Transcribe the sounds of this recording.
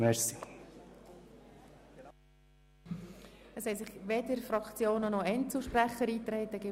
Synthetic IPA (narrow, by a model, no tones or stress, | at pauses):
mɛɾsi | əshɛsɪχʋed̪əɾfɾɑkt͡sjoːnənɔɛntt͡səl̩ˠʃpræχəɾiːt̪ɾɛɪt̪ːəɡɪ